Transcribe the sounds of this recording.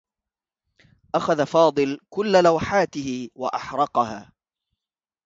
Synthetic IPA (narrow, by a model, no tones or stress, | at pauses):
ʔaxaðafɑːd̪ˤɨlkʊlːalawħaːt̪ɪhɪwaʔaħɾˤɑqɑhaː